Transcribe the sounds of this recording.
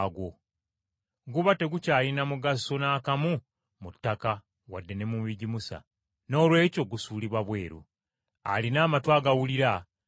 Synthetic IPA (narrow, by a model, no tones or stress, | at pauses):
ɡo̞ | ɡuβate̞ɡucaːlinamuɡaso̞naːkamu | mutːaka | wa̰dːe̞ne̞muβiɟimusa̰ | no̞ːlwe̞ːco̞ɡusuːliβwaβwe̞ːɾṵ | a̰linaːmatwaːɡawuliɾa